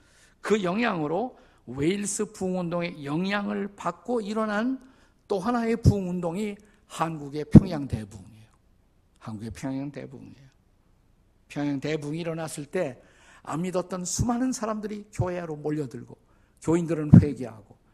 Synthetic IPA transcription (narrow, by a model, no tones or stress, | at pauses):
kɯjʌŋjaŋɯɾo | weils͈ɯpuŋundoŋe̞jʌŋjaŋɯɭpak̚k͈oiɾʌnan | t͈oɦanae̞puŋundoŋi | hanɡuɡe̞pʰjʌŋjaŋte̞buŋiejo | hanɡuɡe̞pʰjʌŋjaŋte̞̰bṵŋiejo | pʰjʌŋjaŋtebuŋiːɾʌnas͈ʰɯɭt͈e̞ | a̰mːidʌt̚t͈ʌnsʰumɦanɯnsʰaɾamdɯɾikjoɦeɾomoʎːʌdɯɭɡo̰ | kjoindɯɾɯnɸwe̞ɡeɦa̰ɡo